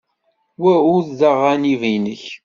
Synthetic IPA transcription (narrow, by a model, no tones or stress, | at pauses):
wæʊððaʁænivijnəç